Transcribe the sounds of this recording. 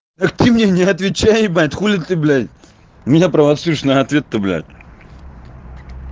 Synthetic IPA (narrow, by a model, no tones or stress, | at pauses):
t̪ɐkt̪ɨmnʲenʲɪɐt̪vʲɪt͡ɕːajɪbat̪ʲxulʲɪt̪t̪ːɨblʲatʲ | mʲɪnʲapɾɐvɐt̪suɪʂnɐːt̪vʲet̪ːɨblʲa̰t̪̚ʲ